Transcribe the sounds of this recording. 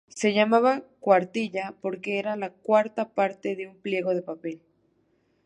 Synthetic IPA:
seʝamaβakwaɾt̪iʎapoɾkeeɾalakwaɾt̪apaɾt̪eðeumpljeɣoðepapel

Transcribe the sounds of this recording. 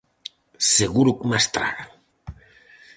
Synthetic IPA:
seɣuɾukmast̪ɾa̰ɾa

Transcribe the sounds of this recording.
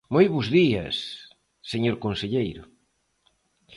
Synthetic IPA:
mojβʊzðiɐ̰sː | eɲoɾkonseʎejɾʊ

